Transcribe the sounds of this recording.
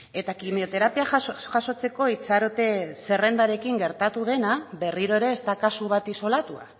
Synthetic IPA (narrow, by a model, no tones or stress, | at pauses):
e̞t̪akimio̞t̪e̞ɾapiaʝaso̞t͡se̞ko̞it͡saɾot̪e̞se̞re̞nd̪aɾe̞kiŋɡe̞ɾt̪at̪uðe̞naβe̞riɾo̞e̞ɾe̞ːst̪akasuβ̞at̪iso̞lat̪ua̰